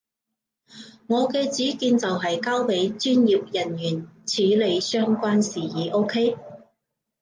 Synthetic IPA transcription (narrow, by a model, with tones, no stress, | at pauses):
ŋɔː˨˧kɛː˧t͡siː˨˥kiː˧nt͡sɐ˨wɦɐ˨jkaː˥wpe˨˥jt͡ʃyː˥njiː˨˧p̚jɐ˨˩njyː˨˩nt͡sʰiː˨˥le˨˧jsœː˥ŋkʷaː˥nsiː˨˩jiː˨˧ʔo˥kʰe˥j